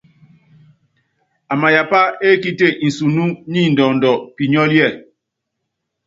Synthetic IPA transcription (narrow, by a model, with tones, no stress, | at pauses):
a˨ma˨ja˨pa˦e˦ki˦te˦˨ʔi˨su˨nu˦ɲi˦˨n˨dɔ˨n˨dɔ˨pi˨ɲɔ˦ljɛ˦˨